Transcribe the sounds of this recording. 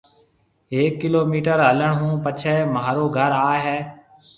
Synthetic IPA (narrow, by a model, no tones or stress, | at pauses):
eːkːɪloːmiːʈəɾɦələɳɦũːpət͡ʃʰɛːmaːɾoːɡʱəɾaːɦɛː